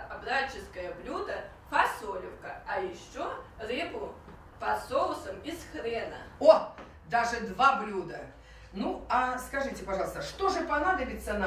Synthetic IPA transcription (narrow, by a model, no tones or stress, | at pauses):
ɐbɾat͡ɕːɪskəjəblʲud̪ə | fɐsolʲɪfkəɐjɪɕːorɨbʊ | pɐsolˠsəmɪsxɾɛnə̰o | d̪aʐɨd̪vablʲud̪ə | nuaskɐʐɨtʲɪpɐʐɑlˠəst̪əʂt̪o̞ʐɨpɐnad̪əbʲɪt̪sːən